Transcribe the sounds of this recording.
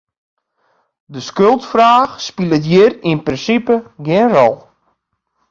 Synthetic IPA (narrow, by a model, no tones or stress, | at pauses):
dəskølˠtfraːxspilˠətjɪrinprɪnsipəɡɪnrɔlˠ